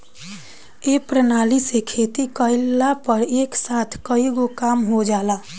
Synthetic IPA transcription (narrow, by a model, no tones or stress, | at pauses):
eːpɾənaːlisekʰeːt̪ikəɪlːapəɾeːksaːt̪ʰkəiɡokaːmɦod͡ʒaːlaː